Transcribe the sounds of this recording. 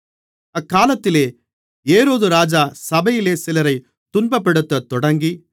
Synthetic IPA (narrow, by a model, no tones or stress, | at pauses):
ɐkːaːlɐt̪ːɪleː | eːɾoːðɯɾaːd͡ʒaːsɐbɐjɪleːsɪlɐɾɐɪ | t̪ʊnbɐpːɛɽɯt̪ːɐt̪ːɔɽɐŋɡi